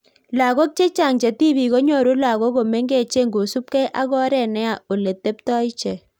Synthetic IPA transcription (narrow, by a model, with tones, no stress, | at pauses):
la˨ɣo˦k̚t͡ʃe˦t͡ʃa˦˨ŋt͡ʃe˨ti˦βi˨ɣo˦ɲo˦˨ɾu˦la˨ɣo˦ko˨me˦ŋɡe˦˨t͡ʃe˦ŋɡo˨su˦p̚kɛ˦ʔa˦ɣɔ˦ɾɛ˨nɛ˦a˨o˨le˨te˦p̚tɔ˦ɪ˦t͡ʃɛ˨